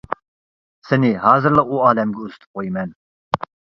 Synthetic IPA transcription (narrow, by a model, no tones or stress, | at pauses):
sɛniɦaːzɨɾlˠaʔuaːlɛmɡʲɛust̪ʰɨ̥p̚qojimɛn